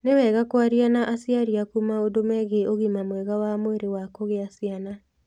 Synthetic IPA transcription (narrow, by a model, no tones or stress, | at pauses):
newɛɣakwaɾianaʔasiaɾiakumaodomɛɣeoɣimamwɛɣawamweɾewakoɣeasiana